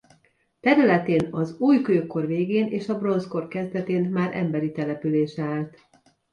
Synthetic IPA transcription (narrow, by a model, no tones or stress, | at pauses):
t̪ɛɾylɛt̪eːnɒzuːjkøːkːo̞rveːɡeːneːʃɒbro̞nsko̞rkɛzd̪ɛt̪eːnmaːɾʔɛ̰mbɛɾit̪ɛlɛpyleːʃɛaːlt̪